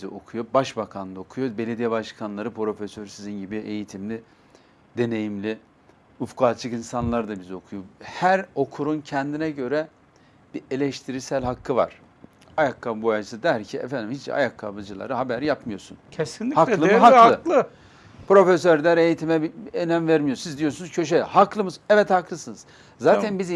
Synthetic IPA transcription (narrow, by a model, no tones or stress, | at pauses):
biziʔo̞kʰujo̞baʃbakʰand̪aokʰujobe̞lʲed̪ijɛbaʃkʰanlˠaɾɯpɾo̞fesøɾsizinɟibiʔe̞jit̪ʰimlʲi | d̪e̞ne̞jimlʲi | ufkaːt͡ʃʰɯkinsanlˠaɾd̪abizio̞kʰujohæɾo̞kʰuɾuncʰɛnd̪inɛɟø̞ɾɛ | b̥ie̞lʲɛʃt̪ʰiɾisælʲɦakʰːɯva̰ɾ̥ | ajakʰːabojaɯsɯd̪æɾcʰiɛ̰fænd̪imhit͡ʃḭa̰jakʰːabɯd͡ʒɯlˠa̰ɾɯɦabæɾjapmɯjo̞ɾsṵncʰesinʲihak̪ˠɯɦalɯlˠɯ | pɾo̞fes̬øɾd̪æɾe̞jit̪ʰimɛbienæmvæɾmijosizd̪ijo̞ɾsunuzcʰø̞ʃ̬ehaklˠɯmɯzɛvɛt̪haklˠɯsɯnɯz̥ | zaːt̪ʰænbiz